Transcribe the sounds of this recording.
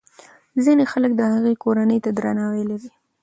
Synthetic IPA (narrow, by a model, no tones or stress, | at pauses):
zinexalək̚d̪əhaɣekoɾanəjt̪ad̪ɾanɑwelaɾi